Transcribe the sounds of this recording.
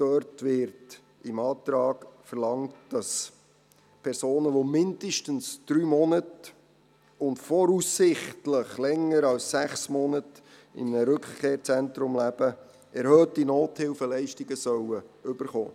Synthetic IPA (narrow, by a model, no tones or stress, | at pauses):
d̥œːrtʋɪɾt | ɪmɑːt̪ɾɑːɡfərlɑŋtd̥ɑs | pʰɛɾsoːnəʋomɪndəʃtənsd̥ɾyːmɔnət | ʊntfɔɾusːɪχtləχlɛŋːəɾɑlssæχsmɔnət | ɪ̰mnəɾʏkχkʰeːɾt͡sɛntɾʊmlæb̥ə | ɛɾhœːtinoːthɪlfəlɛɪʃtɪɡəsœwəʏb̥əɾχo̰ː